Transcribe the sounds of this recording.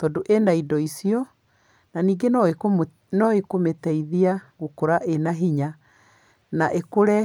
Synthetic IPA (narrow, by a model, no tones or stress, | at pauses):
tɔdoʔendaidɔisiɔ | naniːɡen | nɔekometɛiðiaɣokoɾaʔenaɦiɲa | naʔekoɾɛ